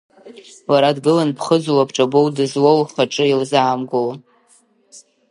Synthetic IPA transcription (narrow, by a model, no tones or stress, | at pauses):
laɾadɡɨlanpʰχəd͡zwapʰʈ͡ʂʼabowdɨzwowχaʈ͡ʂʼɨilzaːmɡola